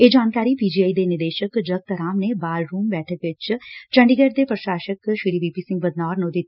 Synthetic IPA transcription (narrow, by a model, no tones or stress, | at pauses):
eːd͡ʒaːnkaːɾipiːd͡ʒiːaid̪enɪɾd̪eːʃəkd͡ʒɐɡ̚t̪əɾaːmnebaːlɾuːmbɛːʈʰəkʋɪt͡ʃt͡ʃɐ̃ɳɖiɡəɾd̪epɾəʃaːʃəkʃiɾiːʋiːpisɪ̃ŋɡʋəd̪naːɾnod̪ɪt̪ʰ